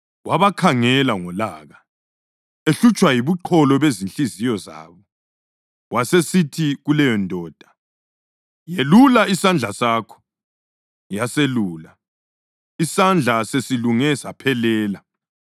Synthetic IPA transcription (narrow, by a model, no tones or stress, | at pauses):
waβakʰaŋɛlaŋɔlaːɣa | eɬut͡ʃʼwajiβuǃʰɔlɔβezinɬizijɔza̰ːβɔ | wʔasesitʰiɣulɛjɔndʱɔːd̥ʱḁ | jelulaisand͡ɮʱasaːkʰɔ̥ | jaseluːla | isand͡ɮʱasesiluŋɛsapʰɛlɛːla